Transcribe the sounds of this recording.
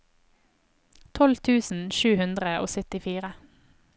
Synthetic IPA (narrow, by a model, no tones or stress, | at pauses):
t̪ʰɔlt̪ʰʉːsn̩ʃʉːhʉnd̪ʁəo̰ːsœt̪ɪfiːʁə